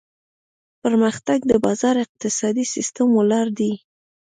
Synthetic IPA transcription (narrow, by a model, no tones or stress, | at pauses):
pəɾməxt̪aɡd̪əbɑzɑɾɪq̚t̪ɪsɑd̪isist̪əmolɑɾd̪i